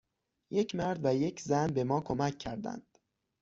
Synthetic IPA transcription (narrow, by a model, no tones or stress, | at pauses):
je̞cʰmæɾd̪væje̞cʰzænbe̞mɒːkʰo̞mæcʰːæɾd̪æ̰nd̪̥